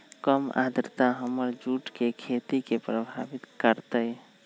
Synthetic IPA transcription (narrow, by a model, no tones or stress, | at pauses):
kəma̰d̪ɾt̪aɦəməɾd͡ʒuʈkekʰet̪ikepɾəbʱa̰bit̪kəɾt̪əj